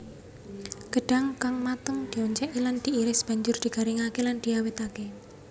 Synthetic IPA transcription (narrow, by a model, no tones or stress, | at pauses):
ɡ̥əɖ̥a̤ŋkaŋmat̪əŋd̪̥iɔɲt͡ʃɛʔiland̪̥i̤iɾɪsb̥a̤ɲd͡ʒʊrd̪̥iɡ̥a̤ɾiŋakeland̪̥iawɪt̪ake